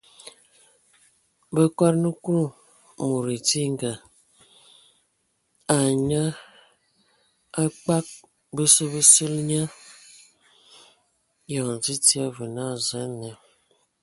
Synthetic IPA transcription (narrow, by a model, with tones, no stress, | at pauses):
bə˦ka˦ɾnə˦ku˦ɾu˦˨ | mu˨ɾe˨ti˦ŋ˦˨ɡa˨ | a˨ɲa˦ | a˦k͡pa˦k̚ | bə˦sə˦bə˦sə˦lɲa˦ | ja˨n˨zi˦ti˦a˦və˨na˦˨zə˨˦nːə˨